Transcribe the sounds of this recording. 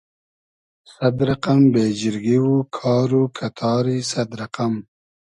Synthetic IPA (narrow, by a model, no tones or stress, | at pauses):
sad̪ɾaqambed͡ʒɪɾɡiwukʰɑːɾukʰat̪ʰɑːɾisad̪ɾaqam